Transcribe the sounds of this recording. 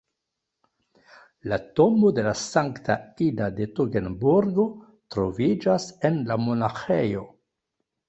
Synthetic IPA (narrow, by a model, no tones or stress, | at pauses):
latomo̞de̞lasaŋktʰaidade̞toɡenbuɾɡo̞ | tɾo̞vid͡ʒase̞nlamo̞naxejo̞